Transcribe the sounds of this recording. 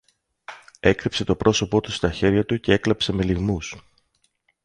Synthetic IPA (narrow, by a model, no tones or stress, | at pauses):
e̞kɾipse̞t̪o̞pɾʔo̞so̞po̞t̪ust̪ɐçe̞ɾʝɐt̪uce̞e̞klɐpse̞me̞liɣmus